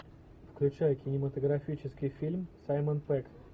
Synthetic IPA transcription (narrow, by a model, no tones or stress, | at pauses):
fklʲʉt͡ɕæjəkʲɪnʲɪmət̪əɡɾɐfʲit͡ɕɪskʲɪjfʲilʲmsajmənpɛk